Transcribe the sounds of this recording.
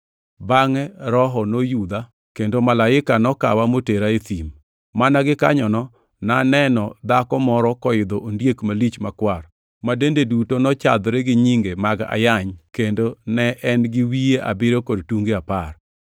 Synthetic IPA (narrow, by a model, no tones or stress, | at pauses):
baŋɛɾɔɦɔnojud̪a | kendomalaɪkanɔka̰wamoteɾaet̪im | manaɡɪkaɲɔnɔ | nanɛnɔd̪akɔmɔɾɔkɔɪd̪oʔondjekmalit͡ʃmakwar | madendedutonɔt͡ʃa̰d̪ɾeɡɪɲiŋɡemaɡa̰jaɲkendonɛʔɛnɡɪwieʔa̰bɪɾokodtuŋɡiapar